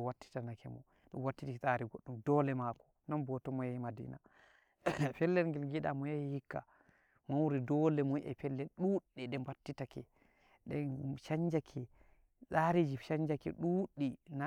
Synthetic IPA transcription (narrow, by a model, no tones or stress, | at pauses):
watːi̥tanakʰɛmɔ̰ | ɗṵmwatːitisʼaɾiɡoɗːumdɔlɛmakɔ̥ | nɔnbɔtɔmɔjajimadḭna | fɛlːɛlŋɡɛlŋɡiɗa̰mɔjajihikːa̰ | mawuɾidɔlɛmuʔa̰fɛlːɛlɗuɗːɛɗɛmbatːitakɛ | ɗɛnʃaɲd͡ʒakʰɛ | saɾid͡ʒiʃaɲd͡ʒakɛ̰ɗuːɗːina